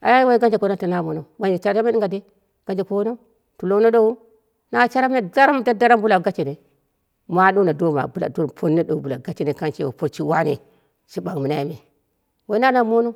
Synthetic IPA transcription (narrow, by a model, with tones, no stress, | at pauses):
a̰˨ja˦wa˦i˦ɡa˦nd͡ʒe˨ko˦no˦ta˨na˦mo˨no˨ɡa˨nd͡ʒe˨t͡ʃa˦ɾa˦me˦i˦ŋɡa˨de˦ | ɡ̥a˨nd͡ʒe˨ko˦no˦ | tu˨lo˦no˦ɗo˦wu˦ | na˦t͡ʃa˦ɾa˦me˦da˦ɾa˦m˦de˦da˦ɾa˦mbu˦la˨ɡa˦t͡ʃe˨ne˨ | ma˦ɗo˦na˨do˦ma̰˨bu˦la̰˨do˦˨pʰo˦nːe˦do˨bu˨la˨ɡa˦t͡ʃi˨ne˨ka˦nt͡ʃe˦˨wo˨po˦ɾt͡ʃi˦wa˦nḛ˨ | ʃi˦ba˨ŋmi˨na˦ji˦me˨ | wa˦i˦na˦na˨mo˦no˦